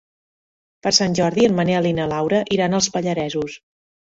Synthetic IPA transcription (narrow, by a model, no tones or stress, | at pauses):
pəɾsanʲʒɔɾðiənməneəlinəlawɾəʔiɾanəlˠspəʎəɾɛzus